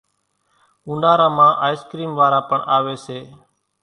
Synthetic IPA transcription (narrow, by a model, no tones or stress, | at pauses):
ũːnaːɾãːmãːʔaːjɪskɾiːmʋaːɾaːpəɳʔaːʋeːseː